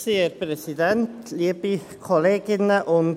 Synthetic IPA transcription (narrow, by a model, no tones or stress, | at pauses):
siəɾpɾɛsidɛntliːəb̥i | kʰɔleːɡɪnəʔʊn